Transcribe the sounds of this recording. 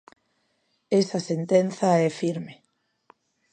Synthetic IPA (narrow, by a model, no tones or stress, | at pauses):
esasent̪enθɐɛfiɾme